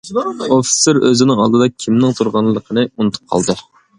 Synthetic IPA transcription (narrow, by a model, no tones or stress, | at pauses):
ofi̥seɾøzɪnɪŋɑ̰lˠd̪ɨd̪ɑkʲʰimnɪŋt̪ʰuɾʁɑnllːˠəqʰənɨunɨt̪ʰu̥p̚qʰɑ̰lˠd̪ɨ